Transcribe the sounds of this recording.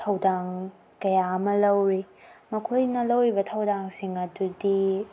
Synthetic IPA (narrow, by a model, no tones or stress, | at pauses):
tʰɐwdaŋ | kɐjaɐmɐlɐwɾi | mɐkʰojnɐlɐwɾibɐtʰɐwdaŋsiŋɐdudi